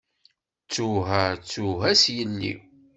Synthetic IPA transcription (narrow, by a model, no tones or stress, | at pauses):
t͡sːuɦæt͡sːuɦæsjənːḭ